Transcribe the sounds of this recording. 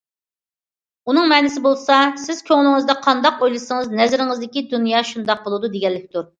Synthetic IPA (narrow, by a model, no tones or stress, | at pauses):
unɨŋmɛnɪsɪbolˠsɑsɪz̥kʲʰøŋlˠɪŋɨzd̪ɑqʰɑnd̪ɑqojlˠɨsəŋəznɛzɾɪŋɨzd̪ɪkʲid̪unjɑːʃund̪ɑq̚bolˠud̪ud̪eɡʲɛlːɪkʲt̪uɾ